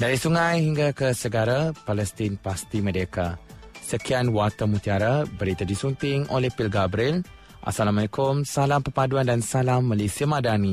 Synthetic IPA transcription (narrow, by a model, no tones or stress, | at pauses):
daɾisuŋãjhiŋɡakəsəɡaɾapalɛst̪ɪnpast̪imə̃deka | səkianwat̪amut̪iaɾabəɾit̪adisunt̪ɪŋolɛhpilɡabɾil | ʔa̰salamalekumsalampəpaduandansalamːəlisiamadani